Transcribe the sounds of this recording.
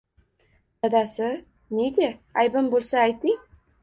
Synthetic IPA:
d̪ad̪asɪ | neɡʲeajbɪmbolˠsaːjt̪ɪŋ

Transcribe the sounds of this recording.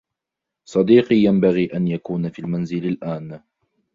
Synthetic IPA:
sˤɑd̪iːqiːjambaɣiːʔanjakuːnafiːlmanzɪlalʔaːn

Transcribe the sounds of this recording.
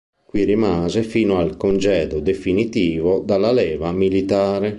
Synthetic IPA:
kwiɾimaːzefiːnoalkond͡ʒɛːd̪od̪efinit̪iːvod̪alːalɛːvamilit̪aːɾe

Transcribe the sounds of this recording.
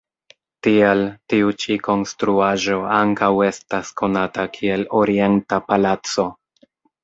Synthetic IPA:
tieltiut͡ʃiko̞nstɾuaʒo̞aŋkawe̞staskʰo̞natakʰie̞lo̞ɾie̞ntapalat͡so̞

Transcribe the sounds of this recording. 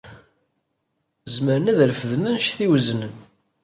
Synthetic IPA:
zməɾənæðlfəðnænʃθiwzənən

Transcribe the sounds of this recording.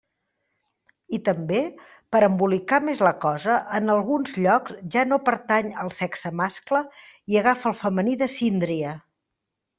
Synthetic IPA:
it̪əmbe | pəɾəmbulikamezləkɔzəʔənəlˠɣunzʎɔksʒanopəɾt̪aɲəlˠsɛksəmaskləiəɣ̞afəlˠfəməniðəsind̪ɾiə

